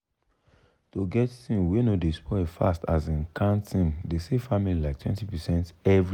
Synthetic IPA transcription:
toɡɛtsĩnwenodespɔfa̰stazĩnkʰãntʰĩndesefamililaɪk̚tʰwɛ̰̃ntipɛsɛ̃ntɛvɹ

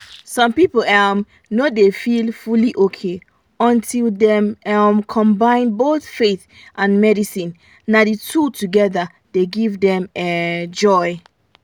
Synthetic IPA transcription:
sɔ̃mpipolɛm | nodefilfuliʔokʰe | ɔ̃ntʰildɛ̃mɛmkʰɔ̃mbãɪ̃nboθfeθ | ʔãnmɛɾisĩn | naditʰutuɡɛða | deɡivdɛ̃mɛd͡ʒɔɪ

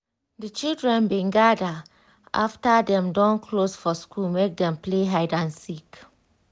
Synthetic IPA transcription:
dət͡ʃildɹɛ̃nbĩɡada | ʔa̰ftadɛ̃mdɔ̃nkʰlosfɔskʰulmek̚dɛ̃mpleɦaɪdãnsik

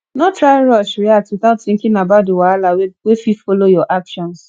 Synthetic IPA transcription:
nɔtɾaɪɾɔʃɹiaswiθaʊtθɪ̃ŋkɪ̃nabat̚dewaalawewefifolojɔʔakʃɔ̃ns

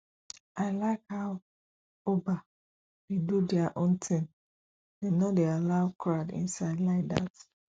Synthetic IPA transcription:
ʔaɪlaɪkhaw | oba | dedudɛaʔõntʰĩŋ | dɛ̃nːɔdealaʊkʰɹadḭ̃nsaɪdlaɪda̰s

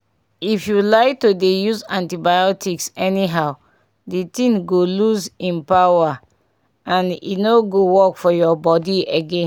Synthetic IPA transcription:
ifjulaɪk̚todejuzãntibajɔtʰiksɛniɦaʊ | ditĩŋɡoluzĩnpawa | ãnḭnoɡowɔkfɔjɔbɔdieɡẽn

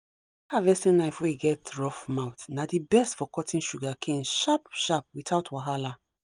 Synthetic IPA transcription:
havɛstĩnaɪfweiɡɛtɹɔfmaʊtnadibɛstfɔkɔtʰĩnʃuɡakʰẽnʃap̚ʃap̚witaʊtwaɦala

